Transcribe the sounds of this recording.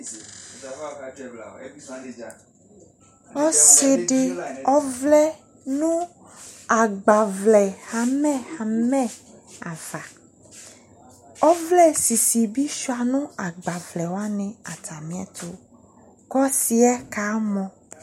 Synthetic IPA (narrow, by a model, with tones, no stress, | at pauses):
ɔ˦se˦ɖe˦ɔ˦vlɛ˦ | nũ˦ | a˨ɡ͡ba˨vlɛ˨ha˨mɛ̃˦ha˨mɛ̃˦a˨va˨ | ɔ˦vlɛ˦si˨si˨bi˦ʃu˦a˨nũ˦a˨ɡ͡ba˨vlɛ˨wo˦a˦nẽ˨a˨t̪ʰa˨mĩ˦ɛ̰˦t̪ʰo˨ | kɔ˦si˨ɛ˦ka˨˦mɔ̃˨